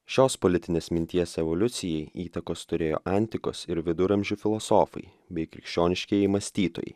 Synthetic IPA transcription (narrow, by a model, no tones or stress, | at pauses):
ʃʲoːspɔlʲɪt̪ʲɪnʲeːsmʲɪnʲt̪ʲiɛsʲɛʋɔlʲʊt̪sʲɪjɛɪiːt̪ɐkoːst̪ʊɾʲeːjo̰ːʔɑˑnʲt̪ʲɪko̰ːsɪɾʋʲɪd̪ʊɾɐmʲʒʲuːfʲɪlˠɔsoːfɐ̰ɪ | bʲɛɪkɾʲɪkʃʲt͡ʃʲoːnʲɪʃʲkʲiɛimɐsʲt̪ʲiːt̪o̰ːjɛ̰ɪ